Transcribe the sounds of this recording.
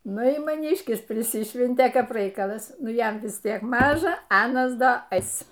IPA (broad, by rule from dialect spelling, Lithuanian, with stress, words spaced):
ˈnʊ ɪr mɐˈnʲiːʃʲkʲɪs pʲrʲɪˈsʲɪʃʲʋʲɛnʲtʲeː ˈkɐp ˈrɐɪkɐlˠɐs ˈnʊ ˈjɛm ʋʲɪs ˈtʲiɛk ˈmɑːʒɐ ˈɑːnɐs ˈdɐ ˈɛɪs